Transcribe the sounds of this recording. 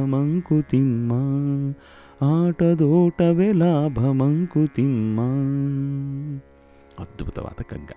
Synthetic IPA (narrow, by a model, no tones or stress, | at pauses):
ɐmɐŋkut̪imːɐ | aːʈɐd̪oːʈɐʋeːlaːbʱɐmɐŋkut̪imːa | ɐd̪but̪ɐ̰ʋa̰ːt̪ɐkɐ̰ŋɡɐ